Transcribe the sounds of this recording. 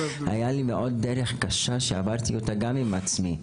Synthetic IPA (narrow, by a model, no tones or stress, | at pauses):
ha̰jalimeʔo̞d̚ːeɾeχkaʃaʃeavadt̪iotaɡamimat͡smi